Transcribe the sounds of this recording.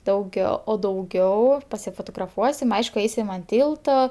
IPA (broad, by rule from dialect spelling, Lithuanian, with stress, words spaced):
dɐʊˈɡʲɛʊ oː dɐʊˈɡʲɛʊ pɐsʲɪfoːtoːɡrɐˈfuɔsʲɪm ˈɐɪʃkʊ ˈɐɪsʲɪm ɐn ˈtʲiːlˠtoː